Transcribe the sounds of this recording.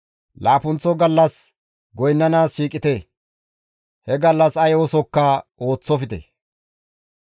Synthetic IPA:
laːpʊnt͡sːɔɡɐlːɐs | ɡɔjnːɐnaːsʃiːkʼːɪt̪e | hɛɡɐlːɐsɐjɔsɔkːɐo̞ːt͡sːɔfɪt̪ḛ

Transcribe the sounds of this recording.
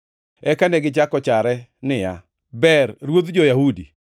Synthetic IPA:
ɛkanɛɡɪt͡ʃakɔt͡ʃaɾɛnɪja | bɛrːwot̪d͡ʒɔjahudi

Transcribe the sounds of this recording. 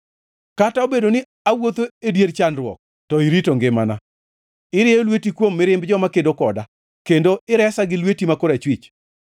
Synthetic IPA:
kataobedonɪ | awot̪oedjeɾt͡ʃanrwɔ̰k̚ | tɔiɾitoŋɡɪmana | ɪɾɪolwetikwomːɪɾɪmbd͡ʒɔmakedokɔda | kendoɪɾɛsaɡɪlwetimakoɾat͡ʃwɪt͡ʃ

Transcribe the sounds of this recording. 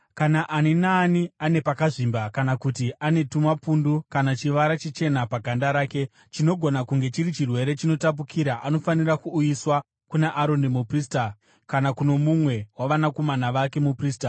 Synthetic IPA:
kanaʔaninaːniane̞pakaʐimbakanakutiʔane̞tumapundukanat͡ʃiʋaɾat͡ʃet͡ʃe̞napaɡʱandaɾaːke̞ | t͡ʃino̞ɡʱo̞nakuŋɡe̞t͡ʃiɾit͡ʃirwe̞ɾe̞t͡ʃino̞tap̬ukʰiɾaʔano̞fanirakuːjiswa | kunaʔaɾo̞ndemuprista | kanakuno̞mumwe̞waʋanako̞manaʋake̞mupriːsta

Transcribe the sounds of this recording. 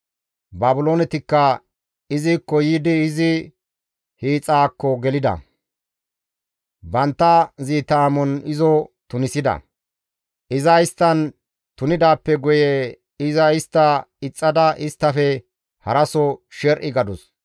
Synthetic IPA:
baːbʊlo̞ːnɛt̪ɪkːɐ | ɪzɪkːɔjid̪ɪːzɪ | hiːt͡sʼːaːkːɔɡɛlɪd̪ɐ̰ | bɐnt̪ːɐziːt̪aːmɔnɪzɔt̪ʊnɪsɪd̪ɐ̰ | ʔɪzɐɪst̪ːɐn | t̪ʊnɪd̪aːpːɛɡʊje | ɪzɐɪst̪ːɐɪt͡sʼːɐd̪ɐʔɪst̪ːɐfɛ | hɐɾɐsɔʃɛɾʔɪɡɐd̪ʊs

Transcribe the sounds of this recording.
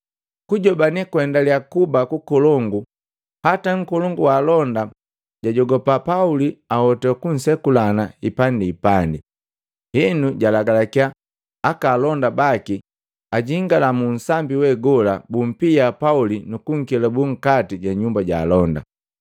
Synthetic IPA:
kuɟɔbanikwɛndaliakubakukɔlɔŋɡu | hataŋ̩kɔlɔŋɡuwalɔnda | ɟ̥aɟɔɡɔpapauliahɔtakun̩sɛkulanaipandiːpandi | hinuɟalaɡalakiaː | kaːlɔndabaki | aɟiŋɡalamun̩sambiwɛɡɔlabum̩piapaulinukuŋ̩kilabuŋ̩katiɟaɲumbaɟa̰ːlɔnda̰

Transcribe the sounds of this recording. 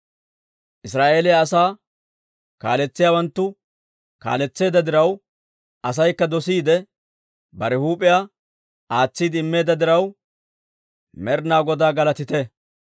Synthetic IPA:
ʔɪsɾaːʔe̞ːlɛjaːsaː | ka̰ːlɛt͡sːɪjaːwɐnt̪ːʊ | ka̰ːlɛt͡sːe̞ːd̪ɐd̪ɪɾɐw | ɐs̬ɐjkːɐd̪ɔsiːd̪ɛ | bɐɾɛhuːpʼɪja | ʔaːt͡sːiːd̪ɪmːe̞ːd̪ɐd̪ɪɾɐw | mɛɾnaːɡɔd̪aːɡɐlɐt̪ɪt̪ɛ

